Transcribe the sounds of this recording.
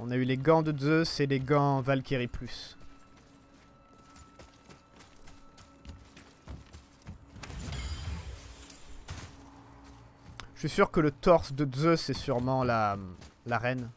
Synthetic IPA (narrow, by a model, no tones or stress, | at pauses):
ɔ̃nayleɡɑ̃d̪əzøseleɡɑ̃valkʲʰeʁiplys | ʒ̥əɥisyʁkələt̪ɔʁsd̪əzøsɛsyʁmɑ̃lalaʁɛn